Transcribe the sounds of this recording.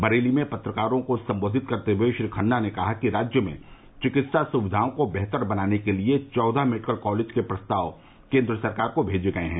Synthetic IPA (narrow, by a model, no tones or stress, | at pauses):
bɐɾeːlimẽpɐt̪ɾəkaːɾõkosɐ̃mboːd̪ʱɪt̪̚kɐɾt̪eɦueʃɾikʰənːanekɐɦakiɾaːd͡ʒjəmḛ̃ | t͡ʃɪkɪt̪sasʊʋɪd̪ʱaːõkobɛɦt̪əɾbɐnaːnekeliet͡ʃɔːd̪ʱameːʈɪkəlkɔːleːd͡ʒkepɾɐst̪aːʋ | kẽːnd̪ɾəsɐɾkaːɾkobʱeːd͡ʒeɡɐeɦɛ̃ː